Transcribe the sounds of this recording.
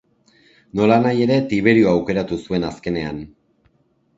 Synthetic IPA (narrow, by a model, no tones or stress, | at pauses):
no̞lanaje̞ɾe̞t̪iβ̞e̞ɾioawke̞ɾat̪usue̞naske̞ne̞a̰n